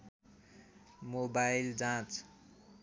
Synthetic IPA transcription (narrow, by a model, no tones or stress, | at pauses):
mobajld͡zãt͡s